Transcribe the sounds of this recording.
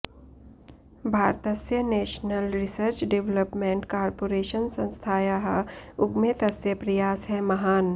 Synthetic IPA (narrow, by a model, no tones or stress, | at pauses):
bʱaːɾt̪əsjəneːʃnəlɾɪsəɾt͡ʃɖeʋləpmẽɳʈkaːɾpoːɾeːʃənsɐ̃nst̪ʰaːjaɦʊɡmet̪ɐsjəpɾɐjaːsɦɛmɐɦaːn